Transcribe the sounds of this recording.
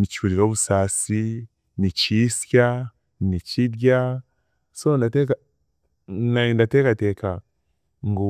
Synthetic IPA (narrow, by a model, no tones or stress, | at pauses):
mit͡ʃiuɾiɾo̞ːβusaːsi | niciːsja | nicidja | sondateka | nandateːkateːka | ŋɡo